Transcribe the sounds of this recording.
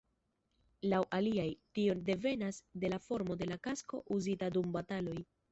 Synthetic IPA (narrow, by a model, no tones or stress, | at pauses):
lawʔaliajtio̞nde̞ve̞nasde̞lafo̞ɾmo̞de̞lakasko̞ʔuzitadumbatalo̞j